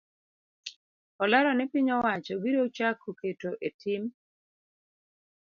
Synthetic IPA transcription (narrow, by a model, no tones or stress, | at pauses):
ɔlaɾɔnɛpɪɲɔwat͡ʃɔɡiɾot͡ʃakʰoketoʔetim